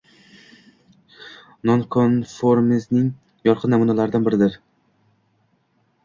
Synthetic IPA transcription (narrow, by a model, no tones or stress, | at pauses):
nonkʰonfoɾmɪznɪŋ | jɒɾqʰɨnːamunalaɾɪd̪anbɪɾɪd̪ɪɾ